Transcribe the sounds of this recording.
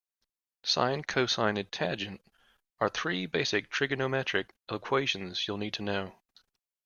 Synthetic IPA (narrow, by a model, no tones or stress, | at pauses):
sã̰ɪ̃nkʰoʊsãɪ̃nɨtʰæd͡ʒɨ̃nt | ə˞θɹibeɪsɨk̚tʰɹ̥ɪɡɨnomɛt͡ʃɹ̥ɨkɛlˠəkʰw̥eɪʃɨ̃n̩z̥julˠnid̚tʰɨnoʊ